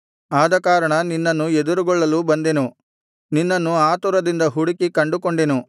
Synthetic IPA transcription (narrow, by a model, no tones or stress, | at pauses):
aːd̪ɐkaːɾɐɳɐninːɐnːued̪uɾuɡɔɭːɐlubɐnd̪e̞nu | ninːɐnːuaːt̪uɾɐd̪ind̪ɐɦuɽikikɐɳɖukoɳɖenu